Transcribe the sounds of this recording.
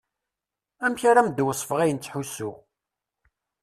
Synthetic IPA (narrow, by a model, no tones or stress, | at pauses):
æmçaɾamd̪wəsˤfəʁæjənt͡sːħusʊʁ